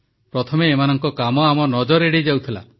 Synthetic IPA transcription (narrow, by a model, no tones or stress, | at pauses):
pɾɔt̪ʰɔmeːmanɔŋkɔkamɔamɔnɔd͡ʒɔɾeɽid͡ʒawt̪ʰila̰